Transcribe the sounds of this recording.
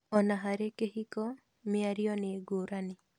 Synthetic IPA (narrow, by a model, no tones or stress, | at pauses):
ɔnaɦaɾekehikɔ | mɪaɾɪɔneɡoɾanɪ